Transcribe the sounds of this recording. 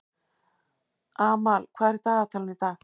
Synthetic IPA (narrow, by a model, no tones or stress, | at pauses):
aːmalkʷʰaɾit̪at̪ʰalnit̪a